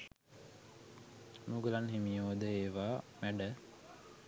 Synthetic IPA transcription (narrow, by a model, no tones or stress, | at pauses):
nuɡəlanɦimijoːd̪əeːʋaːmæɖə